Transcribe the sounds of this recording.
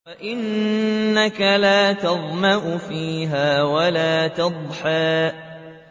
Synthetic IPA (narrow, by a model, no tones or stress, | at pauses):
faʔɪnː | akalaːt̪ɑðˤmaʔʊfiːɦaːwalaːt̪ɑd̪ˤħaːʔ